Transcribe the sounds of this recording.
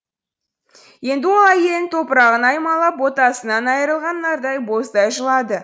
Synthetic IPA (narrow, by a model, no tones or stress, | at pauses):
je̞nd̪ɪwo̞lˠæje̞lɪŋt̪ʰo̞pəɾɑʁənɑjmɑlˠɑpwo̞t̪ɑsənɑnɑjəɾəlˠʁɑnːɑɾd̪ɑjbo̞sd̪ɑjʒəlˠɑd̪ə